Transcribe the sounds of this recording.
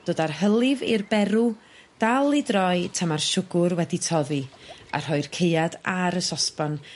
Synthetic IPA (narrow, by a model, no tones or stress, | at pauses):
d̥oːdarɦəlˠɪvɪrbɛɾu | d̥alˠidrɔɨtʰamarʃʊɡʊɾwɛditʰɔðia̰r̥hɔɨrkʰeɨadaɾəsɔspɔn